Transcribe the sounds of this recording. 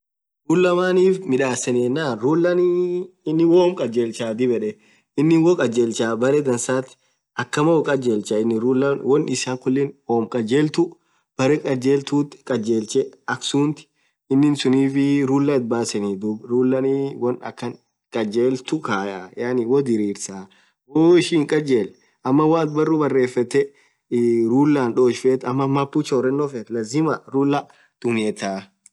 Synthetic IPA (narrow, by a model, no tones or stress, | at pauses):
ɾuːlːɐmaːniːfmɪᶑaːsɐneːnːaːɾuːlːɐniɪnːɪwoːmkʼɐd͡ʒeːlt͡ʃaːd̪ɪbɛᶑɛ | ɪnːɪnwɔkʼɐd͡ʒeːlt͡ʃaːbɐɾɛd̪ɐnsaːt̪ɪ̥ | ʔɐkːɐmɐwɔkʼɐd͡ʒeːlt͡ʃɐɪnːɪɾuːlːɐwɔnɪsaːŋkʊlːɪnwoːmkʼɐd͡ʒeːlt̪ʊ | b̥ɐɾɛkʼɐd͡ʒeːlt̪uːt̪kʼɐd͡ʒeːlt͡ʃɛɐksuːnt̪ɪ̥ | ɪnːɪnsʊniːfɪɾuːlːɐɪt̪̚baːsɛniːd̪ʊbɾuːlːɐniwɐnɐ̰kːɐn | kʼɐd͡ʒeːlt̪ʊkaːjajaːnɪwɔd̪ɪɾiːɾsaː | woːɪʃiːŋkʼɐd͡ʒeːl | ʔɐmːɐwaːt̪bɐrːuːbɐrːeːfːɐt̪ːɛ | ɾuːlːaːnᶑoːʃfeːt̪ɐmːɐmɐpːut͡ʃoːɾɛnːofɛt̪lɐzɪmɐɾuːlːɐ | d̪̥ʊmɛːt̪aː